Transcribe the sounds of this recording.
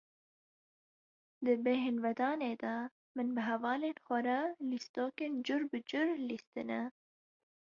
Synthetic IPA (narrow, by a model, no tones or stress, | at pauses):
d̪ɨbeɦenvɛd̪ɑːneːd̪ɑ | mɨnbɨɦɛvɑːleːnxʷɐɾɑlist̪oːkeːnd͡ʒʊɾbɨd͡ʒʊɾlist̪ɨnɛ